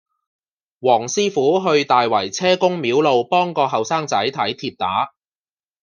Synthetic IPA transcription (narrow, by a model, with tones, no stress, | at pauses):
wɔː˨˩ŋsiː˥fuː˨˥ɦɵ˧ɥt̪aː˨jwɐ˨˩jt͡sʰɛː˥kʊ˥ŋmiː˨˥wlo˨˧wpɔː˥ŋkɔː˧ɦɐ˨wsaː˥ŋt͡sɐ˨˥jt̪ʰɐ˨˥jt̪ʰiː˧p̚t̪a̰ː˨˥